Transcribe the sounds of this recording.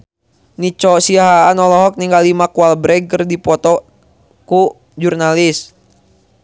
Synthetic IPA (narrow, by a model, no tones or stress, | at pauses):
nit͡ʃɔsiaɦaːnɔlɔɦɔk̚niŋɡalimakualbɾɛɡ̚kərdipɔt̪ɔ | ku | d͡ʒurnalis